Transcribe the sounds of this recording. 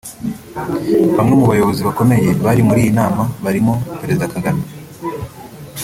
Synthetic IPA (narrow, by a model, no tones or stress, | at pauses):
βamŋemuβajo̞βo̞ziβako̞me̞je̞βaɾimuɾiːjinaːmaβaɾimopeɾe̞zidakaɡana